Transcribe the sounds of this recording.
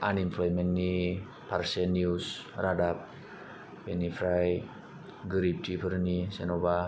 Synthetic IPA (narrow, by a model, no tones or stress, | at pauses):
ʔanimplɔjmɛnːi | parsɛnjusradap̚ | bɛnifɾaj | ɡəɾip̚tipəɾnisɛnoba